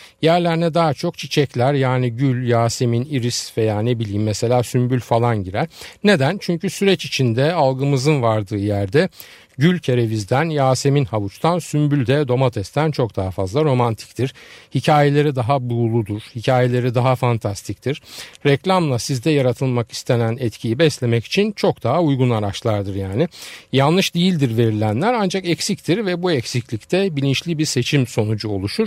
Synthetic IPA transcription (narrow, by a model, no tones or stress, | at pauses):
jæɾlʲæɾinɛd̪aat͡ʃʰo̞k̚t͡ʃʰit͡ʃʰɛclʲæɾjaːniɟylʲjaːse̞miniɾisvejaːne̞bilʲiːmːɛse̞lʲaːsymbylʲfalˠanɟiɾælʲne̞d̪ænt͡ʃʰyɲcysyɾɛt͡ʃit͡ʃʰind̪ɛalˠɡɯmɯzɯnvaɾd̪ɯːjæɾd̪ɛ | ɟylʲcʰeɾe̞vizd̪ænjaːse̞minhavut͡ʃt̪ʰansymbylʲd̪ɛd̪o̞mat̪ʰɛst̪ʰænt͡ʃʰo̞k̚d̪aɦafazlˠaɾo̞mant̪ʰi̥c̚t̪ʰiɾ̥hicʰaːje̞lʲe̞ɾid̪aɦabulˠud̪uɾ̥hicʰaːje̞lʲe̞ɾid̪aɦafant̪ʰast̪ʰict̪ʰiɾ̥ɾɛclʲamlˠasizd̪ɛjaɾat̪ʰɯlˠmaki̥st̪ʰe̞nænɛt̪cʰijibɛslʲe̞mɛci̥t͡ʃʰint͡ʃʰo̞k̚d̪aɦaujɡunaɾat͡ʃlˠaɾd̪ɯɾjaːnɪjalˠnːɯʃd̪ijilʲd̪iɾve̞ɾilʲænlʲæɾand͡ʒakɛcsict̪ʰiɾvɛbuɛcsiclʲict̪ʰɛbilʲint͡ʃlʲibiɾse̞t͡ʃʰimso̞nud͡ʒuo̞lˠuʃuɾ